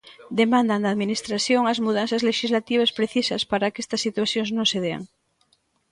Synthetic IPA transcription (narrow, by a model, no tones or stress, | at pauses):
d̪emãnd̪and̪aːðminist̪ɾaθjoŋazmuð̞an̟θazleʃizlat̪iβ̞aspɾeθisaspaɾakest̪asːit̪waθjoŋznõŋseðea̰ŋ